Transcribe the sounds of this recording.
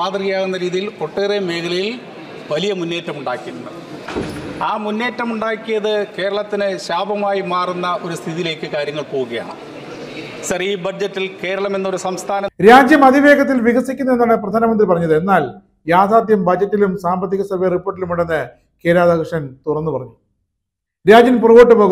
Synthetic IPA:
aːt̪rijaːɣunːɐɾiːðijilko̞ʈːeːremeːkɐɭɐjil | ʋɐlijɐmunːe̞ːtːɐmuɳɖaːkːiɾunːɐ | aːmunːe̞ːtːɐmuɳɖaːkːijɐðɨke̞ːɾɐɭɐt̪ːinɨɕaːbɐmaːjimaːrunːɐʔo̞ɾust̪ʰiðijile̞ːkːɨkaːɾjɐŋːɐɭpo̞ːɣuɣɐja̰ːɳɨ̰ | ɕɐriːbɐd͡ʑɐtːilke̞ːɾɐɭɐme̞nːo̞ɾusɐmst̪ʰaːnɐɾaːd͡ʑjɐmɐd̪ʱiʋe̞ːɡɐt̪̬ːilʋiɣɐsikʲːunːɐe̞nːaːɳɨprɐd̪ʱaːnɐmɐnd̪ripɐrɐɲːɐðɨe̞nːaːl | jaːd̪ʱaːd̪ʱjɐmbɐd͡ʑɐtːilumsaːmbɐt̪̬ːiɣɐsɐbʱejɐripːo̞ːʈːilumiɽenːɨ | ke̞ːɾaːðakɐʂɐnt̪urɐnːupɐrɐɲːu | ɾaːd͡ʑjɐnpurɐʋoːʈːɨpo̞ːɣu

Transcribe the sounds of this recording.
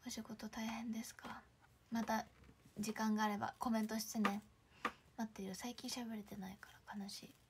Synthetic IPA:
oɕiɡo̞t̪o̞t̪aihẽ̞nd̪e̞sɨ̥kʰa | mat̪ad͡ʑikãŋɡaːɾe̞ba̰ko̞mẽ̞nt̪o̞ɕi̥t͡sɨnẽ | nat̪ːe̞iɾɯ̟saikʲĩɕabe̞ɾe̞t̪e̞naikḁɾakʰanaɕḭː

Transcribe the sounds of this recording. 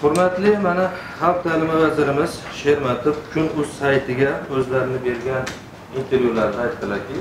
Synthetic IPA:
hʊɾmat̪lɪmana | half̚d̪ʰalɪmavazɪɾɪmɪz̥ | ʃeɾmat̪ʰɪp̚kʰʲʊnɵz̥sajt̪ʰɪɡʲaɵzlaɾɪnɪbe̞ɾɡʲan | int̪ʰe̞ɾjulaɾɪnɪajt̪t̪ʰɪlaɾkʲɪ

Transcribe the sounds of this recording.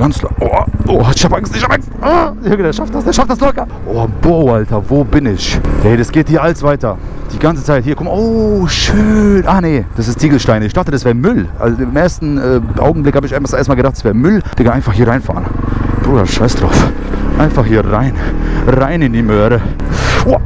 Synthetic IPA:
ɡ̥ant͡sʔoʔoːɪçhaːpʔaŋstɪçhaːpʔaŋst̚ʔaɪɡdɛɐʃaft̚d̥asd̥ɛɐʃaftd̥aslɔkɐ | ʔoboʊʔaltɐvoːbɪnɪçhɛɪdasɡ̥eːthiːɐʔaləsv̥aɪtɐd̥iːɡant͡sət͡saɪthiːɐkʰɔmoːʃøːnʔaːned̥asɪstt͡siːɡl̩ʃtaɪnəɪçd̥aχtədasv̥eːɐmʏlʔa̰lzoɪmʔeːɐstn̩ɛːʔa̰ʊɡŋ̩blɪkhaːbəɪçaɪnfaʔeːɐstmalɡədaχtd̥asv̥eːɐmʏld̥ɛkanaɪnfaχhiːɐʁaɪnfa̰ːʁənb̥ʁuːdɐ̰ʃaɪsd̥ʁa̰ʊf | ʔaɪnfaχhiːɐʁaɪnʁaɪnɪndiːmøːɾə

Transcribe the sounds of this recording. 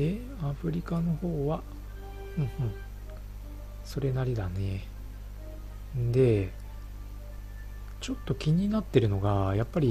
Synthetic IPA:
e | aɸɯ̟ɾʲikano̞ho̞ːβa | hɯ̟̃ɴhɯ̟̃ɴ | so̞ɾe̞naɾʲid̪ane̞ | nd̪e̞ | t͡ɕo̞t̪ːo̞kʲiɲ̟inat̪ːe̞ɾɯ̟no̞ɡajapːaɾʲi

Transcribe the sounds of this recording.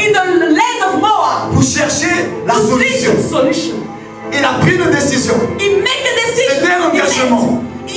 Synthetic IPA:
iəlɛdɔvmɔəpuʁʃɛʁʃelasɔlysjɔ̃sɔlʃɔ̃ | ilapχid̪əd̪esizjɔ̃imek̚dədesied̪eɑ̃ɡaʒəmɑ̃

